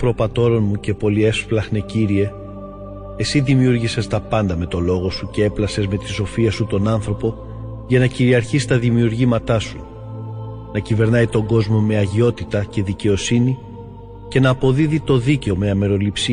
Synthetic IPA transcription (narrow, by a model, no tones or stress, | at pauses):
pɾo̞pɐt̪o̞ɾo̞nmuce̞po̞lie̞fflɐxne̞ciɾie̞ | e̞siðimiuɾʝise̞st̪ɐpɐnd̪ɐme̞t̪o̞lo̞ɣo̞suce̞e̞plɐse̞zme̞t̪i̥so̞fiɐsut̪o̞nɐnθɾo̞po̞ | ʝɐnɐciɾiɐɾçist̪ɐðimiuɾʝimɐt̪ɐsu | nɐcive̞ɾnɐjt̪o̞ŋɡo̞zmo̞me̞ɐʝio̞t̪it̪ɐce̞ðice̞o̞sini | ce̞nɐːpo̞ðiðit̪o̞ðice̞o̞me̞ɐme̞ɾo̞lipsi